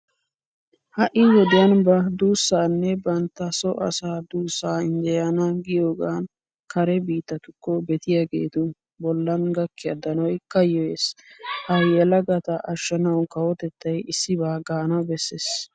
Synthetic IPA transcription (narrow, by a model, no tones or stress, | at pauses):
hɐʔɪwɔd̪ɪjɐnbɐd̪uːsːaːnːɛbɐnt̪ːɐsɔʔɐ̰saːd̪uːsːaːɪnd̪ɛjanɐɡɪjoːɡaːn | kʰɐɾɛbiːt̪ːɐt̪ʊkːɔbɛt̪ɪjaːɡe̞̰ːt̪ʊ | bɔlːɐnɡɐkːɪjɐd̪ɐnɔjkɐjɔeːshɐjɛlɐɡɐt̪ɐʔɐʃːɐnɐwkɐwɔt̪ɛt̪ːɐjɪsːɪbaːɡaːnɐbɛsːeːs